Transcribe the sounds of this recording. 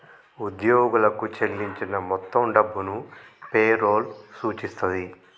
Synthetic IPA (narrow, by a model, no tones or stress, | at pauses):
ud̪joːɡulɐkut͡ʃelːiɲt͡ʃinɐmɔt̪ːɐmɖɐbːunupeːɾoːlsuːt͡ʃist̪und̪i